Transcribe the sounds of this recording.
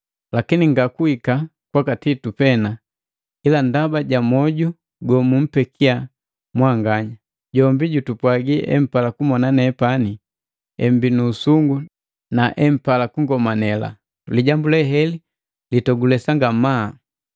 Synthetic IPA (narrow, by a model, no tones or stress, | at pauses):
lakiniŋɡakuika | kwakatitupɛna | ilandabaɟamɔɟu | ɡɔmum̩pɛkʰia | mwaŋɡaɲa | ɟɔmbiɟutupwaɡiʔɛ̰m̩palakumɔnanɛːpani | ɛm̩binuːsuŋɡu | naʔɛm̩palakuŋɡɔmanɛla̰ | liɟambulɛɦɛli | litɔɡulɛsaŋɡama